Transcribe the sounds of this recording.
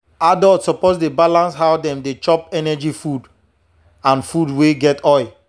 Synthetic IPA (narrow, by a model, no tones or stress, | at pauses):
adɔltsɔposdebalãnsɦawdɛ̃mdet͡ʃɔpɛnɛd͡ʒifud | ãnfudweɡɛtɔɪ